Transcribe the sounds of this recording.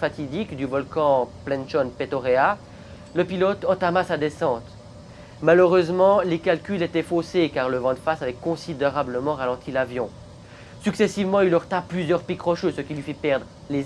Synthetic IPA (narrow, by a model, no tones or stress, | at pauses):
fat̪id̪ikd̪ybɔlkɑ̃plɛ̃nʃɔnpet̪ɔʁea | ləpilɔt̪ɑ̃t̪amasad̪esɑ̃t̪ | maløʁøzmɑ̃lekalkʲylet̪ɛfosekaʁləvɑ̃d̪fasavɛkɔ̃sid̪eʁabləmɑ̃ʁalɑ̃t̪ʰilavjɔ̃ | syksɛsivmɑ̃ilɔʁt̪aplyzjœʁpikχɔʃøsəkʲilɥifipɛʁd̪ʁ | le